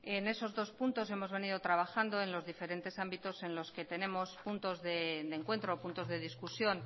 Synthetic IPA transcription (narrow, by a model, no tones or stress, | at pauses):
ene̞so̞zðo̞spunt̪o̞s̬e̞mo̞zβe̞niðot̪ɾaβ̞axand̪o̞e̞nlo̞zðife̞ɾe̞nt̪e̞sambit̪o̞se̞nlo̞ske̞t̪e̞ne̞mo̞spunt̪o̞zðe̞d̪eŋkwe̞nt̪ɾoːpunt̪o̞zðe̞ð̞iskusjo̞n